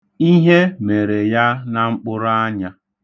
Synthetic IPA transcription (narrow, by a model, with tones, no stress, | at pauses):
i˦ɦe˦me˨ɾe˨ja˦na˨ŋ͡m̩˦k͡pʊ˦ɾʊ˦a˦ɲa˦